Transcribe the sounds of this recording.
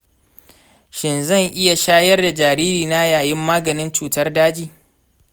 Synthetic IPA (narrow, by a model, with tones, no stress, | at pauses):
ʃɪ˨nzɐ˦˨ŋʔɪ˦ja˨ʃaː˦jɐ˦rda˨d͡ʒaː˨ɾiː˦ɾiː˨na˦jaː˨jɪ˦mːaː˦ɡɐ˨nɪ˦nt͡ʃuː˨tɐ˦rdaː˦d͡ʒiː˨